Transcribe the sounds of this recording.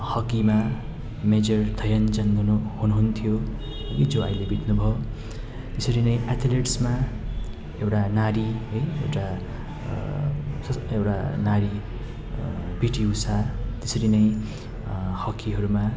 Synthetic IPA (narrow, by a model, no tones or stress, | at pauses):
hʌkima | med͡zʌrd̪ʱʌjʌnd͡zʌnd̪unuhunuɦunt̪ʰijo | ʌd͡zoʌ̰jlebʱit̪nubʱʌ | t̪esʌɾinʌjʔat̪ʰileʈsma | ewʈanaɾiɦʌjḛwʈa | sʌewʈa̰naɾi | biʈiusat̪esʌɾinʌj̃ | hʌkːiɦʌɾuma